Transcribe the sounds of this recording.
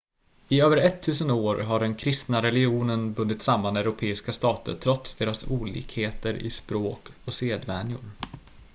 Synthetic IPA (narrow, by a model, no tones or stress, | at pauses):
ɪøːvəɾɛt̪ʰːʉ̟ːsənoːɾɦaɖɛnkʰɾɪst̪naɾɛlɪuːnənbɵnd̪ɪt̪samːanɛɾʊpʰeːɪskast̪ɑːt̪ə̰ʈʰɾɔt̪sd̪eːɾasuːlḭːkheːt̪əɾɪ̰spɾoːkɔseːd̪vɛːnjʊ̰ɾ